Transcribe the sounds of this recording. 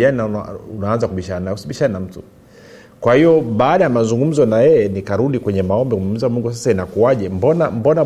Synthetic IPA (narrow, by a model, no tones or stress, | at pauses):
aninaaunaanzakuɓiʃaɾanajusiɓiʃanam̩tu | kwahijɔɓaːɗajamazuŋɡum̩zɔnajɛjɛnikaɾuɗikwɛɲɛmaɔmbɛkummizamuŋɡusasainakuaʄɛmbɔnambɔna